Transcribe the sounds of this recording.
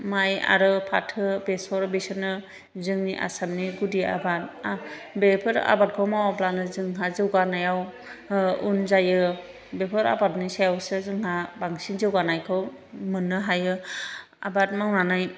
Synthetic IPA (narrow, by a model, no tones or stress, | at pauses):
maja̰ɾɯpʰatʰɯbesɔɾbesɯnɯ | zɯŋniʔa̰samniɡudia̰bat̚abepʰɯɾa̰bat̚kʰɔwmawaplanɯzɯŋɦazɯwɡanajaw | unzajɯ | bepʰɯɾa̰bat̚nisajawsɯzɯŋɦabaŋsinzɯwɡanajkʰɯw | mɯnːɯɦajɯ | a̰bat̚mawnanaj